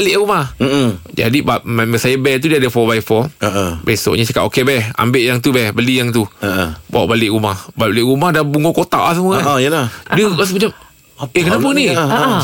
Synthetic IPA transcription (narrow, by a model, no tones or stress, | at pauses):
alɪʔumahd͡ʒa̰dibaʔmaməsajəbɛt̪udiəadəfɔbajfɔləʔbaso̰ʔɲasakat̪okebɛha̰mbeʔjaŋt̪̬ubɛhbəlijaŋt̪uəba̰wa̰ʔbalɪʔɾumahbaʔbalɪʔɾumahdabuŋokot̪a̰ʔlahsəmuaəladiəkas̬mat͡ʃam | ekənap̬əni